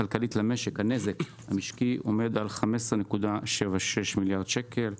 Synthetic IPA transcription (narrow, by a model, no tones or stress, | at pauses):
alkalitlame̞ʃe̞khane̞zek | hamiʃkiʔo̞̰me̞d̪alχamesʁenekud̪aʃevaʃeʃmiljaʁd̪ʃeke̞l